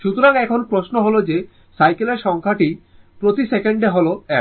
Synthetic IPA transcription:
ʃut̪oɾaŋɛkʰonpɾoʃnoɦolod͡ʑe | sajkeleɾʃɔŋkʰaʈi | pɾot̪isekeɳɖeɦoloɛ

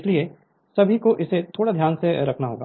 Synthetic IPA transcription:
ɪslie | sɐbʱikoʔɪset̪ʰoːɽad̪ʱjaːnseɾɐkʰnaɦo̰ːɡa̰ː

